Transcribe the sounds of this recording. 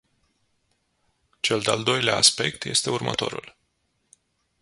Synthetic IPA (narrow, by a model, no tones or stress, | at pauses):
t͡ʃe̞ld̪eald̪o̞jleaːspe̞̰k̚t̪je̞st̪eurmə̰t̪o̞̰ɾṵl